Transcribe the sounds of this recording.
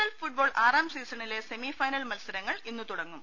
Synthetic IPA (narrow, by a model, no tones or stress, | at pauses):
ɐlfuʈ̚bo̞ːɭʔaːraːmsiːsɐɳile̞se̞mifɐjnɐlmɐlsɐɾɐŋːɐɭinːut̪uɽɐŋːum